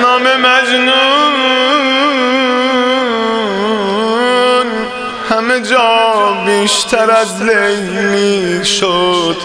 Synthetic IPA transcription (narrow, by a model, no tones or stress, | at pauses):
nɒːmemæd͡ʒnu | n | hæmed͡ʒɔːbiːʃt̪ʰæɾæzlejmiʃod̪̥